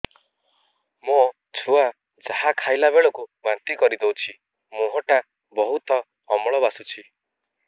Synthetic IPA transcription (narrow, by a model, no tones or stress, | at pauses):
mõ | t͡ʃʰua | d͡ʒahakʰajlabeɭɔkubant̪ikɔɾid̪ewt͡ʃʰi | mũɦɔʈa | bɔɦut̪ɔː | mɔɭɔβasut͡ʃʰi